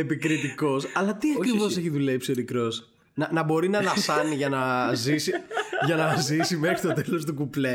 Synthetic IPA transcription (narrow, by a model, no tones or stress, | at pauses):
epikɾit̪iko̞sɐlɐt̪iɐkɾivo̞se̞çiðuleipsoɾikɾo̞s | nɐnɐbo̞ɾinɐðɐfsɐniʝɐnɐzisiʝɐnɐzisime̞xɾist̪o̞t̪e̞lo̞s̬t̪ukuple